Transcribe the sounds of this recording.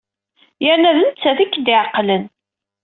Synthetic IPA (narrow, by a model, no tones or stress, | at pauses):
jəɾnæðənt͡sːæðikːd̪ɪʕqːlən